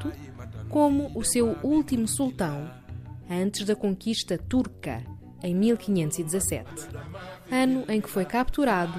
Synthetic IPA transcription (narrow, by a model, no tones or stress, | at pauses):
t̪u | komuːsewulˠt̪imusulˠt̪ɐ̃w̃ | ɐ̃nt̪ɨʒðɐkõŋkiʃt̪ɐt̪uɾkɐ̰ | ẽj̃milˠkiɲẽnt̪uzid̪zɐsɛ̰t̪ | ɐnuʔẽj̃kɨ̥fojkap̚t̪uɾaðu